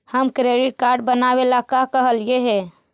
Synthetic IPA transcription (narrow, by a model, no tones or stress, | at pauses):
həmkɾeɖiʈ̚kaɾɖbənabelakakəɦəljeɦɛ